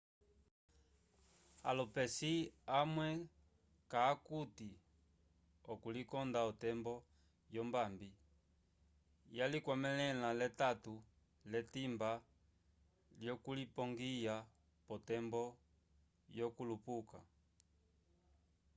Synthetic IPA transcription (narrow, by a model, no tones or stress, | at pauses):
a̰lɔpɛsiamwɛ | kaːkuti | ɔkulikɔndaɔtɛmbɔ | jɔmbambi | jalikwamɛlɛlalɛtatu | lɛtimba | ljɔkulipɔŋɡija | pɔtɛmbɔ | jɔkulupuka̰